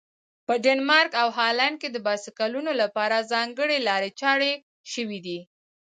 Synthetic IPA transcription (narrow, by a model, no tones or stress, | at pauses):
pəɖenmɑɾkawɦɑland̚ked̪əbɑsikalunolapɑɾazɑŋɡəɽelɑɾet͡ʃɑɽe | ʃəwid̪i